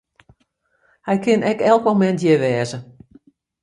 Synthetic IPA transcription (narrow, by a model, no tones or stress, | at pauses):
hɛjkʰɪnɛkɛlˠkmomɛntjəʋɛːzə